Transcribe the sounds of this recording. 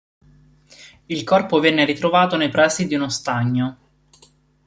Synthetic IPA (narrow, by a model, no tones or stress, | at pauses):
ilkɔrpovɛnːeɾit̪ɾovaːt̪onejpɾasːid̪iunost̪aɲːo